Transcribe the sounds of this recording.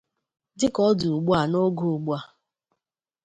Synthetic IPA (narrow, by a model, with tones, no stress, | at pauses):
dɪ˦kɔ˦dʊ˨ɡ͡bu˦a˨no˦ɡo˨ɡ͡bu˦a˨